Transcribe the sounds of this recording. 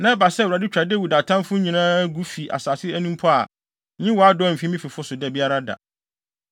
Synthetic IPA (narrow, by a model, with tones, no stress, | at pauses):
nã˦ba˨sɛ˦˨a˨dɪ˦t͡ɕᶣɾa˨de˦wu˨da˨tʰã˦fʊ̃˦ɲĩ˨nãː˦ɡu˦fi˨ʔa̰˨saː˨sɪ˦æ˦nũ˦mpʰɔ˦a̰˨˦ | ɲĩ˦wɔ˨a˦dɔ˦˨m̩˨fĩ˦mĩ˦fi˨fʊ˦sʊ˨dɛ˨bi˦a˦ɾa˦da̰˨